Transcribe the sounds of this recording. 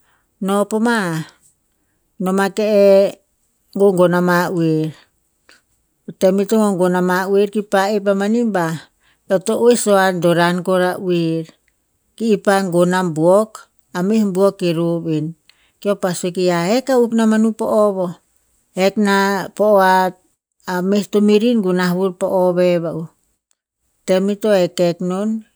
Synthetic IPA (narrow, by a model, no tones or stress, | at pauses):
nopoma | nomakee | ŋɡoŋɡonamaweɾ | temitoŋoŋɡonamaweɾkipaep̬amanimba | etoʔoisoandoɾankoɾaʔueɾ | kiːpaŋɡonambuok | amihmbuokiɾobin | kiopasokiaekauknamanupo̰ʔoβo | eknapooat̚ | amestomiɾinɡunaβuɾpoʔoβeβau | temitoekeknon